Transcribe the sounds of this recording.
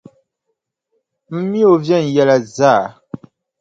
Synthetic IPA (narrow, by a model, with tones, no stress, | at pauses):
m̩˦mi˦o˨vjɛ˦˨n̩˨jɛ˨la˨za˦˨